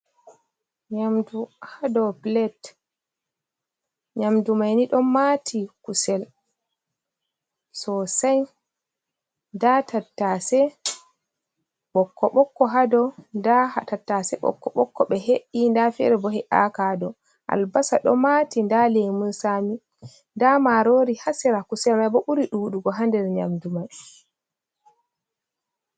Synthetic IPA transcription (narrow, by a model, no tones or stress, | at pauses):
ɲamduhadɔplɛt | ɲamdumajniɗɔmatʰikusɛl | sɔsaj | ndatatːasɛ | ɓɔkːɔɓɔkːɔɦadɔndahatatːasɛɓɔ̰kːɔɓɔkːɔɓɛɦeʔːindafɛ̰ɾɛbɔhɛʔakadɔ | ʔa̰lbasaɗɔ̰matindalemunsami | ndamaɾoːɾihasiɾakusɛlmajbɔɓuɾiɗuɗuɡɔɦandɛɾɲa̰mdumaj